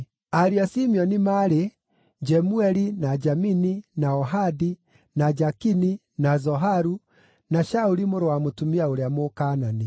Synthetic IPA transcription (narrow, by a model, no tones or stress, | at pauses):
aɾiasimiɔnimaɾe | d͡ʒɛmuɛɾinad͡ʒamininaɔɦadi | nad͡ʒakini | nazɔɦaɾu | naʃauɾimoɾowamotumiaoɾeamokaːnani